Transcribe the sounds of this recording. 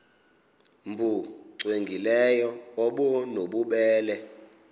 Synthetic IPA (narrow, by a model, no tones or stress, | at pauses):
mbʱuǀweŋɡʱilɛjɔɔɓɔnoɓuɓɛːlɛ